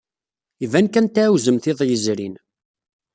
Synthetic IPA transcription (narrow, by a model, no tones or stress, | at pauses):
ivænkænt̪æwzəmθɪðˤjəzɾin